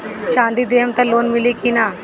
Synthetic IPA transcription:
t͡ʃãːnd̪iːd̪eːəmt̪ãloːnmɪliːkinaː

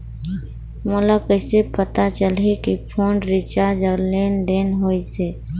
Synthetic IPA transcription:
mʊlakəsepət̪at͡ʃəlɦekipʰõːɳɖɾɪt͡ʃad͡ʒəleːnd̪eːnɦoːiseː

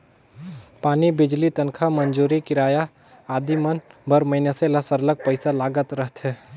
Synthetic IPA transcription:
paːnibɪd͡ʒlit̪ənkʰamənd͡ʒuːɾikɪɾaːja | aːd̪imənbʱəɾməɪneseləsəɾlək̚pəɪsalaːɡət̪ɾəɦt̪ɦɛː

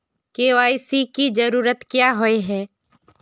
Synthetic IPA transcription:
keaːisikid͡ʒəɾuːɾət̪kjaɦoeɦɛː

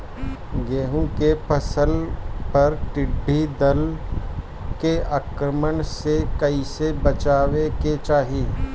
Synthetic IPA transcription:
ɡeːɦũkepəsəlpɐɾʈɪɖʱːid̪əl | keaːkɾəməɳsekɐisebət͡ʃaːʋeket͡ʃaːɦiː

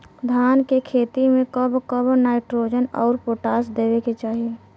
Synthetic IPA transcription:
d̪ʱjaːnkekʰeːt̪imẽkəbkəbnaːɪʈɾoːd͡ʒənɔːɾpoːʈaːsd̪eːʋeket͡ʃaːɦie

